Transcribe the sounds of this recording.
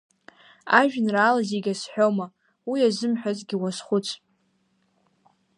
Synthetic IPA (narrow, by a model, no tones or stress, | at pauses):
aʒᶣnraːlazeɡʲasħᶣoma | wiazɨmħᶣazɡʲiwasχʷʊt͡sʷʰ